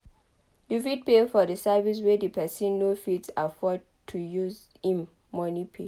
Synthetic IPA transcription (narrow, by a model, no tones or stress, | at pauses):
luvid̚pefɔdəsɛvis̬wedipʰɛsĩnːofitsafɔd̚ | tʰːujuz | ĩmː | ɔnipʰe